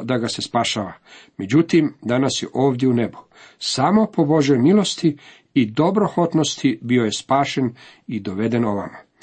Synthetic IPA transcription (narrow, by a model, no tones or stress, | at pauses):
d̪aɡase̞spaʃaːʋame̞d͡ʑut̪imd̪anasjeʔo̞ːʋd̪jeune̞bu̥ | samo̞po̞boʒemilˠo̞st̪iː | d̪o̞bɾo̞xo̞t̪no̞st̪ʰibio̞je̞spaːʃe̞n | id̪o̞ʋe̞d̪e̞no̞ʋa̰ma